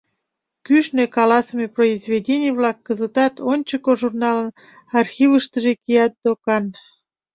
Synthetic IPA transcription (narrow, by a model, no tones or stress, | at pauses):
kyʃnekɑlɑsəmeproizvʲedʲenʲijβlɑkːəzət̪ɑt̪onʲt͡ɕəkoʒurnɑlən | ɑrxiβəʃt̪əʒekijɑt̪̚d̪okɑn